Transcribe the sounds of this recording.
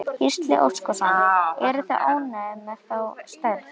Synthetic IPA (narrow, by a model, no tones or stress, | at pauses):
hist̪lɪ̰ʔo̰w̪skɔsaɛɾʏθaʔoːwnaɛmːɛɾθawst̪aɾθ